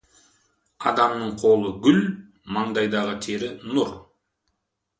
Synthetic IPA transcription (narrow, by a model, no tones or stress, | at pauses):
ɑd̪ɑmnɯɴqʰolˠuɡʉl | mɑɴd̪ɑjd̪ɑʁət̪ʰeɾinuɾ